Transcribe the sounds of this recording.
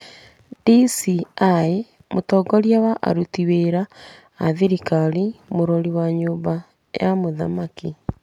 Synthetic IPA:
disiae | motɔːɡɔɾjawaʔa̰ɾutiweɾaː | ðiɾikalimoɾɔɾiwaɲoːba | jamoða̰maki

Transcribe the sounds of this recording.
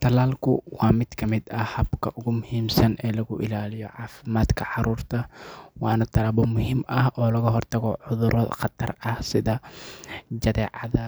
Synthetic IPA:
t̪ʰɐlaːlkʰʊwɑːmɪd̪̥kʰɐmɪd̪ɐhɐbkʰɐʔʊɣʊmʊhiːmsɐnɛːlɐɣʊʔɪlaːlɪjɔʕɑːfɪmaːd̪kʰɐʕɑɾuːrt̪ʰɐwɑːnɐt̪ʰɐlɐbɔmʊɦimɐhɔːlɐɣɐɦɔrt̪ʰɐɣɔʕʊðʊɾʔɔːd̪qɑt̪ʰɐrɐhsɪðɐ | d͡ʒɐðɛːʕɑðɐ

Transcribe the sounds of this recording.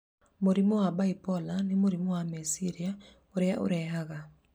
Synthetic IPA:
moɾimɔwabaipɔlanemoɾimɔwamesiɾia | oɾeao̰ɾɛɦaɣa

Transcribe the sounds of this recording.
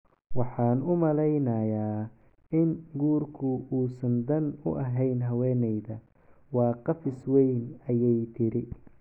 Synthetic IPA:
wɑħɑːnʊmɐlɛjnɐjaː | ɪnɡuːrkʰʊuːsɐnd̪ɐnʊ̰ʔɐɦɛjnɦɐwɛːnɛjðɐ | wɑːqɑfɪswɛjnɐjɛjt̪ʰɪɾɪ

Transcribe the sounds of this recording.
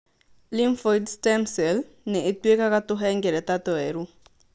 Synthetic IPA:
limfɔdstɛmsɛl | nɛːtwekakat̪ʊɦɛŋɡeɾɛt̪at̪ɔeɾu

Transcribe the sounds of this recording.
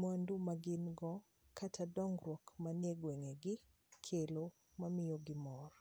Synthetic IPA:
mandumaɡɪnɡɔ | kʰatʰadɔŋrwɔkmaneɡweŋeɡɪ | kʰelo | mamɪjoɡɪmɔr

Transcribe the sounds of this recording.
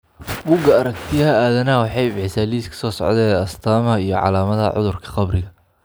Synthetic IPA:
bʊɡɐɐɾɐkt̪ʰɪjɐɦɐaːðɐnɐɦɐwɑħɑjbħɪsaːliːskʰɐ̥sɔːsɔ̰ʕd̪ɛːɐst̪ʰaːmhɐijɞʕɑ̰laːmɐðɐ̰ʕʊ̰ðʊrkʰɐ̥qɑbrɪɣɐ

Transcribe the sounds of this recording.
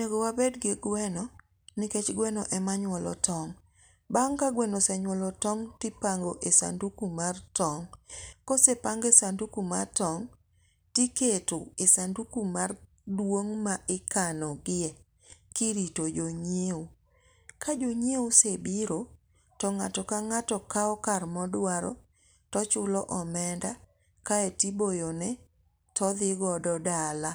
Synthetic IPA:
neɡowabɛdɡɪɡwɛnɔ | nɪket͡ʃɡwɛnɔʔɛmaɲwɔlɔ̰tʰɔŋ | baŋkaɡwɛnosɛɲwɔlɔtɔŋtɪpaŋɡoʔesa̰ndukumartɔŋkɔsepaŋɡesandukuma̰tɔŋ | tiketoesandukumar | dwoŋmaʔɪkanɔɡɪɛ | kiɾitod͡ʒoɲeu | kad͡ʒoɲeosebiɾo | tɔŋatɔkaŋatɔkaɔkarmɔdwaɾɔ̰ | tɔt͡ʃʊlɔʔɔmɛnda | kaetibojonɛ | tʰɔðɪɡɔdɔdala

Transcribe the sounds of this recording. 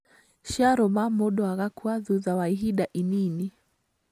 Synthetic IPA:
ʃaɾɔmamɔɗɔaɣakwaðuðawaiɦiɗaʔinini

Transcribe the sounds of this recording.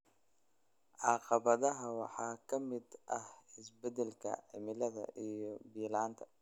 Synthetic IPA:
ʔɑqɑβɐðɐɦɐwɑ̰ħɑːkʰɐmɪd̪ʔɐhɪsbɛd̪ɛlkʰɐ̰ʕɪmɪlɐðɐ̰ʔijɞbiːlaːnt̪ʰɐ

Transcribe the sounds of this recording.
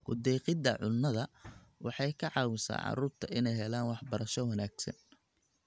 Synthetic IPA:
ɡʊd̪ɛːqɪd̪ɐʕʊnːɐðɐwɑħɑjkʰɐʕɑːwɪsa̰ːʕɑ̰ɾuːrt̪ʰɐʔɪnɛjɦɛlaːnwɑħbɐɾɐʃɔwɐnaːɡsɐ̰n

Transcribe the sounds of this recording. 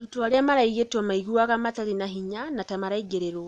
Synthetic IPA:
utoaɾeamaɾaiɣetomaiɣuaɣamataɾinaɦiɲanatamaɾaiɡeɾeɾo

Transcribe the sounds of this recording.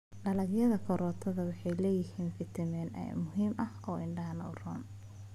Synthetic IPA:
ɖɐlɐɡjɐðɐkʰɔɾɔːt̪ʰɐðɐwɑħɑjlɛːjɪhiːnfɪt̪ʰɐmɛːnʔɛ̰mʊɦiːmʔɐhɔːʔɪɳɖɐɦɐnɐʊrɔːn

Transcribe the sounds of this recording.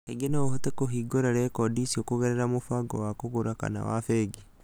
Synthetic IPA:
eɡenaohot̪ekoɦiɡoɾaɾɛkɔdisiokoɣɛɾɛɾamofwaɡɔwakoɣoɾaka̰na̰wa̰feɡi

